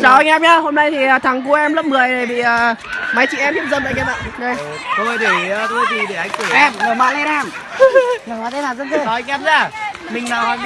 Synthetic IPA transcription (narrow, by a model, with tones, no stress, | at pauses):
zaː˨˦wʔa˧jŋʔɛ˧˥mɲaː˧ho˧mna˧jt̪ʰiː˨˩˨t̪ʰa˨˩ŋk̬u˧ʔɛ˧mlə˦˥p̚mɨ˨˩əjɗe˨˩ɓḭ˧˨əː˨˩ma˨˦jt͡ɕḭ˧˨ʔɛ˧mhi˦˥p̚zə˧nla̰˧˨jʔɛ˧ma̰ː˧˨ɗə˧j | sə˧wməː˧˩jt̪ʰi˧˩˧t̪u˧˦zi˧˩ɗe˨˧˩ʔa˧jŋ̟t̪u˧˩ʔɛ˧˩mŋəː˨˩ma̰˧˨le˧na˧˩m | ə˨˩mɔ˨˦t̪ʰe˨˦naː˨˩wzə˧˥nzə˧˩aː˨˦a˧ŋʔɛ˦˧˥mzaː˧˩ | mï˨˩ŋ̟naː˨˩wa˨